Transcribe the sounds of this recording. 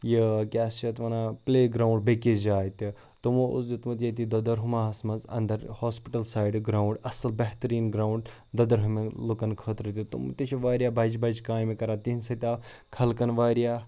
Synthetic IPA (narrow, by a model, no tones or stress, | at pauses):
jikʲaːst͡ʃʰɐt̪ʋɐnapleːɡɾaːwɳɖbekizd͡ʒaːt̪ʲi | t̪umuʔṵsd͡ʒit̪mut̪ʲjɐt̪id̪ɐd̪ɐɾɦumaɦɐsmɐzɐ̰nd̪ɐɾhoːspiʈɐlsaːjɖɡɾaːwɳɖɐsɐlbɐɦt̪ɐɾiːnɡɾaːwɳɖ | d̪ɐd̪ɐɾɦumelukɐnkʰəːt̪ɾɨt̪ʲut̪ṵmṵt̪it͡ʃʰiʋaːɾijaːbɐd͡ʒbɐd͡ʒkaːjmekɐɾaːt̪iɦinsɐt̪ʲaː | kʰɐlkɐnʋaːɾijaː